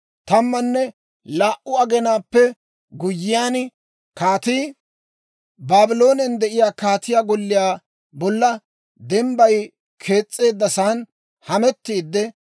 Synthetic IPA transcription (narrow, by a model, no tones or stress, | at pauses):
t̪ɐmːɐnːɛ | laːʔʊɐɡɛnaːpːɛ | ɡʊjːɪjaːn | kaːt̪iː | baːbɪlo̞ːnɛnd̪ɛʔɪjaːkaːt̪ɪjaːɡɔlːɪjaː | bɔlːɐ | d̪ɛmbɐj | kʰe̞ːt͡sʼːe̞ːd̪ːɐsaːn | hɐmɛt̪ːiːd̪ːɛ